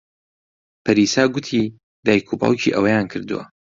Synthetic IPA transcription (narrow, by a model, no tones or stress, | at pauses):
pʰɐɾiːsaːɡʷʊt̪ʰiː | d̪aːjkʰuba̰ːlˠcʰḭʔɐwɐjaːnkʰɨɾd̪ṵwɐ̰